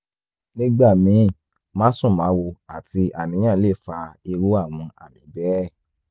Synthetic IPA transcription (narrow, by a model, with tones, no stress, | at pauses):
nĩ˦ɡ͡ba˦˨mĩ˨˦˨ | mãː˦sũ˦˨mã˨˦wo˧a˨ti˧ʔa˨mĩ˨˦ã˦˨˦le˦˨fa˧i˧ɾu˦a˦˨w̃ũ˧a̰˨mĩ˨˦bɛ˦˨